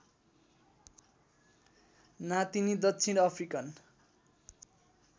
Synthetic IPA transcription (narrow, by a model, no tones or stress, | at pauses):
nat̪inid̪ʌt̪ːsʰinʌpʰrikʌn